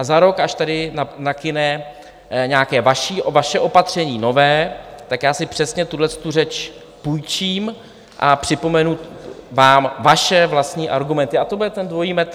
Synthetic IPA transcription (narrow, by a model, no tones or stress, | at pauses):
ʔazaɾo̞kaʃt̪adɪnanakɪnɛ | ɲaːkɛːvaʃiːvaʃɛʔo̞pat̪r̝̥ɛɲiːno̞vɛːt̪akjaːsɪpr̥ɛsɲɛt̪udlɛst̪urɛt͡ʃ | pujt͡ʃiːm | ʔapr̥ɪpo̞mɛnuvaːmvaʃɛvlast̪ɲiːʔaɾɡumɛnt̪ɪat̪obudɛt̪ɛndvo̞jiːmɛt̪